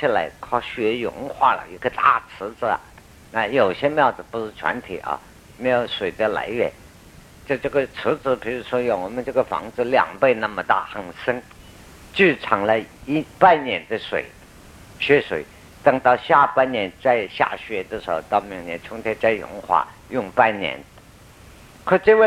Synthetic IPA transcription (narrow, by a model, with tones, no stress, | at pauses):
t͡ɕʰi˥˩la˧˥ɪkʰɑ˥˩ʊɕɥɛ˧˥jʊ̰˧˥ŋxwa̰˥˩lə̰˩i˧˥ɡə˧t̪a̰˥˩t͡sʰɹ̩˧˥t͡sɹ̩˧ɐ̰˩ | na˥˩jo˨˩ʊɕjɛ˥mjɑ˥˩ʊt͡sɹ̩˧˩pu˧˥ʂɻ̩˥˩ʈ͡ʂʰwa̰˧˥nt̪ʰḭ˨˩˦ʔɐ̰˧ | me˥jo˧˨˩ʂwe˨˩ɪd̪ə˧la̰˧˥ɪɥɛ̰˨˧˩n | t͡ɕjo˥˧ʊʈ͡ʂɤ˥˩ɡə˩t͡sʰɹ̩˧˥d͡zɹ̩˧˥pʰi˧˥ʂɻ̩˥ʂwɔ˥jo˧˩wɔ˨˩mə˦nʈ͡ʂɤ˥˩ɡə˩fɑ̰˧˥ŋd͡zɹ̩˧ljɑ̰˨˩ŋpe˥˧ɪna˥˩mə˧t̪a̰˥˩xɑ˥˩ŋʂə˥ŋ | t͡ɕy˥˩ʈ͡ʂʰɑ˨˩ŋlə˦i˥pa˥˩nnjɛ˨˩nd̪ə˦˧swḛ˨˩ɪ | ɕɥɛ˧˥ʂwḛ˨˩ɪ | t̪ɤ˧˩ŋt̪ɑ˥˧ʊɕja˥˩pa˥nnjɛ˧˥nt͡sa˥˧ɪɕja̰˥˩ɕɥɛ˧˥d̪ə˧˩ʂɻ̩˧˥xo˧ʊt̪ɑ˥˩ʊmi˧˨˩ŋnjɛ̰˧˥nt͡ɕʰʊ˥ŋt̪ʰjɛ˥nt͡sa˥˩ɪjʊ̰˧˥ŋxwa̰˥˩jʊ˥˧ŋpa˥˩nnjɛ̰˧˥n | kʰɔ˥˩ʈ͡ʂɤ˥˧we˥˧